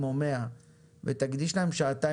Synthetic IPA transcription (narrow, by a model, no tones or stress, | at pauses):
momea | vet̪aɡd̪iʃlae̞mʃaat̪a